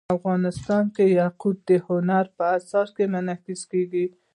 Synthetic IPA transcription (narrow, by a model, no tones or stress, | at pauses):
afɣɑnɪst̪ɑnkejaqub̪̚d̪əhʊnaɾpəasɑɾkemʊnakɪskeɡi